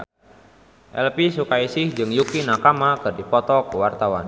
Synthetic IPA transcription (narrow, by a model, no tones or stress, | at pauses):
ʔɛ̰lpisukaisɪhd͡ʒɨŋjukinakamakɨrdipɔt̪ɔkəwart̪awa̰n